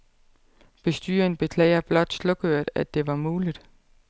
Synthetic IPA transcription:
b̥e̝sd̥y̰ːɐn̩b̥e̝kʰlɛ̰ːɪɐb̥lɒ̽d̥slɔ̽ɡ̥øɐ̰d̥æd̥ːe̝ʋɑ̈muːlid̥

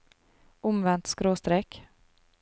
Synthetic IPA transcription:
ɔmvɛnt̪skɾoːst̪ɾɛk

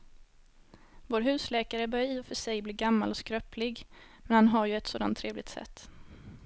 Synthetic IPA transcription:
voːɾɦʉ̟ːslɛːkaɾəbœɾjiːɔfœʂɛjbliːɡamːalɔskɾœplɪɡmɛnhanɦaɾjɵɛt̪soːd̪a̰nt̪ʰːɾeːvlɪɡ̚t̪sɛ̰t̪ː

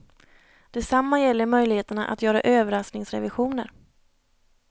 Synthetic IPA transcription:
d̪̥ɛsamːajɛlːəɾmœjlɪheːt̪əɳa̰ʔa̰t̪jœːɾaʔøːvəɾasknɪŋsɾɛ̰vɪɧuːnə̰ɾ

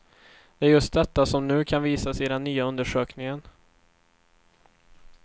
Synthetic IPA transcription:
d̪̥ɛæɾjɵst̪̚d̪ɛt̪ːasɔmnʉ̟ːkʰanviːsasɛɪd̪ɛnːyːaɵnd̪əʂøːknɪŋən

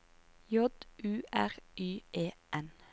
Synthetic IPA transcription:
jɔd̪̥ʔʉːʔæʁʔyːʔeːʔɛn

